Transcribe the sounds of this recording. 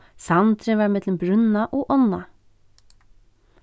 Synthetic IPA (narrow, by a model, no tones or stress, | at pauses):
sɑnt̪ɾəʋæɾmɛd̪ləm̩bɾʉnɑʔoːʔɔnɑ